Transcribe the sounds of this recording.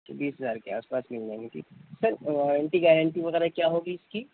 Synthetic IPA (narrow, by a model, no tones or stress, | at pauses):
tbiːsɦɐzaːɾkea̰ːspaːsmɪld͡ʒãŋɡit̪ʰḭsɐɾɔːɾə̃ɳʈiɡɛːɾə̃ɳʈiʋɐɣɛːɾakjaːɦoɡiɪskiː